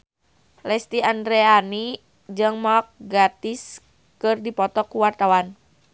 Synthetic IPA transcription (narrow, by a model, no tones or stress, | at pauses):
lɛst̪iandɾɛani | d͡ʒɨŋmɔk̚ɡat̪is | kɨrdipɔt̪ɔkuwart̪awan